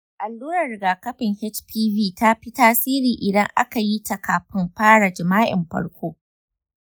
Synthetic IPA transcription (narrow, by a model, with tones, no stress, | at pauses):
ʔa˨lːuː˦ɾɐ˨rɪ˨ɡaː˨kɐ˦ɸɪ˨ŋhɛ˦t͡ʃpʰiː˦viː˦˨ta˦ɸi˦taː˦siː˦ɾiː˨ʔɪ˨dɐ˦ŋʔa̰˦ka˨ji˦ta˨kaː˨ɸɪ˦mɸaː˦ɽa˨d͡ʒɪ˨maː˦ʔɪ̰˨mɸɐ̰˦ɽkʷoː˦